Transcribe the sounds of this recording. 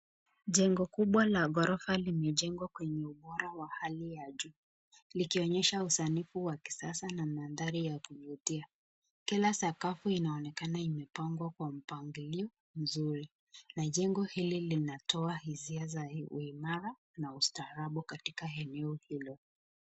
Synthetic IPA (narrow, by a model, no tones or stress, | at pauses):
ʄɛŋɡɔkuɓwalaɡɔɾɔfalimɛʄɛŋɡwakwɛɲɛuɓɔɾawahalijaʄuː | likiɔɲɛʃausanifuwaki̥sasanamanðaɾijakuvutia | kilasakafuinaɔnɛkanaimɛpaŋɡwakwam̩paŋɡiliɔ | m̩zuɾi | naʄɛŋɡɔhililinatʰɔahiziazaṵimaɾa | naustaːɾaɓukatikaɛnɛɔhilɔ